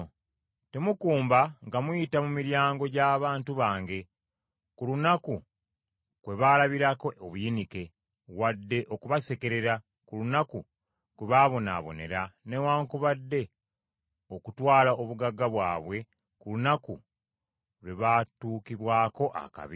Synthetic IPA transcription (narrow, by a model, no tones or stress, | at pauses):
te̞mukuːmbaŋɡamwujitamumiɾjaːŋɡo̞ɟaːβaːntuβaːŋɡe̞ | kulunaku | kwe̞βaːlaβiɾakooβujinike̞ | wadːe̞ʔokuβase̞ke̞ɾe̞ɾa | kulunaku | kweβaːβo̞na̰ːβo̞̰ne̞ɾane̞waːŋkuβadːe̞ | o̞kutwaːlaoβuɡaɡaβwa̰ːβwe̞ | kulunaku | leβatuːkiβwaːko̞ʔa̰ka̰βi